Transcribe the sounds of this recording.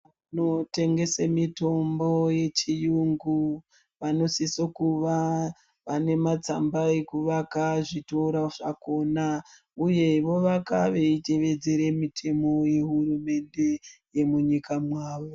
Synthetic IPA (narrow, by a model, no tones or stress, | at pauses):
ano̞te̞ŋɡe̞samito̞mboje̞t͡ʃijuŋɡu | ʋano̞sisokuʋa | ʋane̞mat͡sambaekuʋakaʐitoɾaʐako̞ːna | uje̞ʋo̞ʋakaʋe̞ite̞ʋe̞d͡ze̞ɾemitʰe̞mo̞je̞ɦurume̞nde̞je̞muɲikamwaːʋo